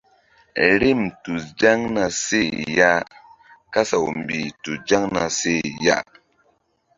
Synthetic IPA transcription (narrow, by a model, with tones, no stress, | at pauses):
ɾi˦˨mtu˨sd͡ʒa˦ŋna˨se˦˨ja˦ | ka˦sa˨wm˨bi˨tu˨d͡ʒa˦ŋna̰˨se˦˨ja̰˦